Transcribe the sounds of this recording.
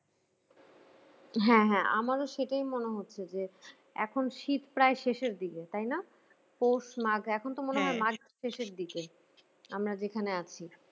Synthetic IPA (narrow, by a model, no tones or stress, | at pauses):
ɦɛ̃ɦɛ̃ʔa̰maɾoʃeʈajmoneɦotːɕʰed͡ʑe | ɛ̰kʰonʃit̪pɾaeʃeʃeɾd̪iket̪ajna | poʃmaɡʱɛkʰont̪omoneɦɔemaɡʱ | ʃeʃeɾd̪ike | amɾad͡ʑekʰaneat͡ɕʰi